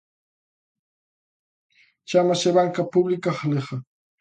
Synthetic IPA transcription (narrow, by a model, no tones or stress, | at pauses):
t͡ʃamasaβaŋkapʊblɪkaχleχɑ